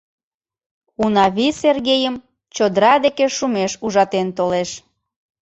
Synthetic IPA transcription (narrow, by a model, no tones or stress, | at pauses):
unɑβiserɣejəm | t͡ɕod̪əɾɑd̪ekeʃumeʃuʒɑt̪ent̪oleʃ